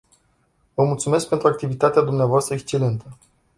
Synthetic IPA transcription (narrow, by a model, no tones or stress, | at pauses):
vəmult̪sume̞sk̚pe̞nt̪ɾuakt̪ivit̪at̪ead̪umneavoast̪ɾəekst͡ʃe̞le̞nt̪ə